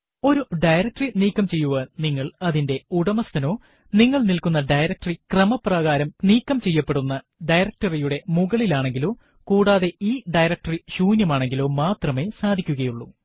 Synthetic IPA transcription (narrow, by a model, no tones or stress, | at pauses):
o̞ɾuɖɐjɾɐk̚ʈriniːkːɐmt͡ɕe̞jːuʋɐniŋːɐɭɐðinde̞uɽɐmɐst̪ʰɐno̞ː | niŋːɐɭnilkun̪ːɐɖɐjɾɐk̚ʈrikrɐmɐprɐɣaːɾɐmniːkːɐmt͡ɕe̞jːɐpːe̞ɽunːɐ | ɖɐjɾɐk̚ʈɐrijuɽe̞muɣɐɭilaːɳe̞ŋɡilo̞ː | kuːɽaːðe̞ʔiːɖɐjɾɐk̚ʈɐriɕuːnjɐmaːɳe̞ŋɡilo̞ːmaːt̪rɐme̞ːsaːd̪ʱikʲːuɣɐjuɭːu